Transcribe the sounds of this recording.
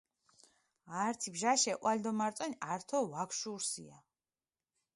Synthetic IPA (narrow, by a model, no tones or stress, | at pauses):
aɾt̪ʰibʒaʃɛʔʼʔald̪ɔmaɾt̪sʼɔnaɾt̪ʰɔvakʰʃuɾsḭa